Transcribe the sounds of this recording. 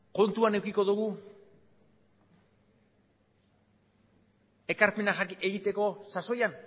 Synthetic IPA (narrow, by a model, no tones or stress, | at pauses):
ko̞nt̪uane̞wkiko̞ðuɣ̞u | e̞kaɾpe̞naxakieɣit̪e̞ko̞saso̞jan